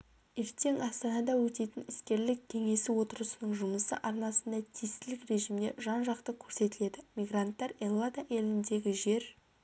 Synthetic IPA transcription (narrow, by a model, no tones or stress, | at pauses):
e̞ɾt̪e̞ŋɑst̪ɑnɑd̪ɑwɵt̪e̞t̪ɪnɪskʲe̞ɾlɪkʲʰːe̞ŋe̞sɪwo̞t̪əɾəsənəɴʒʊməsə̰ʔɑɾnɑsənd̪ɑt̪ʰijst̪ɪlɪkre̞ʒimd̪e̞̰ʒɑnʒɑqt̪əkʲʰɵɾse̞t̪ɪle̞d̪ɪmʲijɡrant̪ːɑɾelˠːad̪ɑʔe̞lɪnd̪e̞ɡʲɪʒe̞ɾ